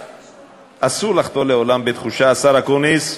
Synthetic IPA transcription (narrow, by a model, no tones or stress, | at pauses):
ʔasulaχt̪o̞leo̞lambet̪χuʃaːsaʁakonis